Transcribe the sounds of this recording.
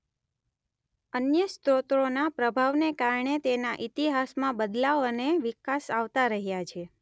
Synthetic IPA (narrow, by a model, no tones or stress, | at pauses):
ənjəst̪ɾot̪ɾonapɾəbʱaʋnekaɾɳet̪enaʔit̪iɦasmãbəd̪laʋəneʋikasaʋt̪aɾəɦjat͡ʃʰe